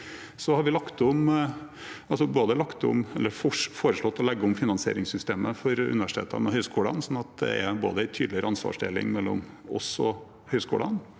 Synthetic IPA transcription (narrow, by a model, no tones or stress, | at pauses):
sɔhɑɾʋɪlɑkt̪ɔm | ɑlsɔboːd̪əlɑkt̪ɔ̰mɛlːəɾffoːɾəʂɭɔt̪ːɔlɛɡːəʊmfɪnɑnsɪḛːɾɪŋsʏst̪eːməfɔɾʉ̰nɪʋæʂɪ̥t̪ʰḛːt̪ʰɑ̰nɛhœʏskuːlɑnsɔnːɑt̪̚d̪ɛ̰ɛbo̰ːd̪əæɪt̪ʰyːd̪lɪəɾɑnsʋɑ̰ːʂɖ̪ḛːlɪ̰ŋmɛlːɔ̰mɔsɔ | hœʏskuːlən